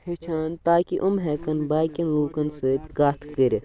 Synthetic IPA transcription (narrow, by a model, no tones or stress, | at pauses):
het͡ʃʰaːnt̪aːkiʔumɦɛːkɐnbaːkʲɐnluːkɐnsɨt̪ʲɡaːt̪ʰkəɾi